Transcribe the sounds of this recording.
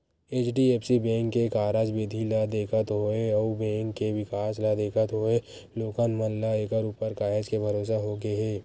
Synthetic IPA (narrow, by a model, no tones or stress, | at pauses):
eːt͡ʃɖieːpsibɛ̃ːŋkːekaːɾad͡ʒbɪd̪ʱilad̪eːkʰət̪ɦoeəubɛ̃ːŋkːeʋɪkaːslad̪eːkʰət̪ɦoːe | loːkənməllaeːkəɾupəɾkaːɦed͡ʒkebʱɐɾoːs̬aɦoɡeɦɛː